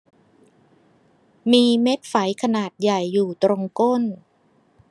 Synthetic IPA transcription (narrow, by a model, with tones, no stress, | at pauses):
miː˧me˦˥t̪̚fa˩˦jkʰa˧naː˨˩t̪̚ja˨˩jːuː˨˩t̪ɾo˧ŋko˥˩n